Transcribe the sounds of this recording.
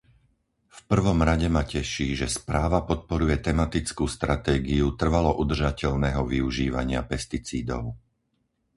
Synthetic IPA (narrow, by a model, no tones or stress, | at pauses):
fpr̩ʋɔmɾaɟɛmacɛʃiːʒɛspɾaːʋapɔt̪̚pɔɾujɛt̪ɛmat̪it͡skuːst̪ɾat̪ɛːɡiut̪r̩ʋalɔʔud̪r̩ʒacɛʎnɛːɦɔʋiuʒiːʋa̰ɲɪa̰pɛst̪it͡siːd̪ɔ̰ʊ